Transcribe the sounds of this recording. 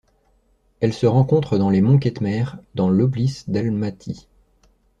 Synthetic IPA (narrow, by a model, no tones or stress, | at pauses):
ɛlsəʁɑ̃kɔ̃t̪χəd̪ɑ̃lemɔ̃k̬ɛt̪mɛʁd̪ɑ̃lɔblisd̪almat̪ʰi